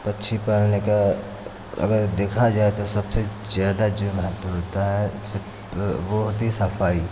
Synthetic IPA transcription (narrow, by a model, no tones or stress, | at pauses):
pɐtːʃʰipəɾneka | ɐ̰ɡəɾd̪eːkʰad͡ʒaːet̪osɐbse | zjaːd̪ad͡ʒmɐɦət̪wəɾɦoːt̪aɦɛsəb | boɦt̪ɦisɐfaːi